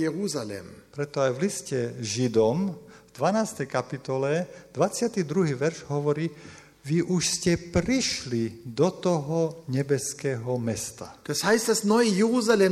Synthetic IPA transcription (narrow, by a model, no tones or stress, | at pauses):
jeʁuzalɛ̰mpɾɛt̪ɔajʋliscɛʒid̪ɔmvd̪ʋanaːst̪ɛjkapit̪ɔlɛd̪ʋat͡sɪat̪id̪ɾuɦiːʋɛɾʒɦɔʋɔɾiː | ʋiʔuʃscɛpɾiʃlid̪ɔt̪ɔɦɔɲɛbɛskɛːɦɔmɛst̪ad̥ashaɪst̚d̥asnɔjəjeʁuzalɛ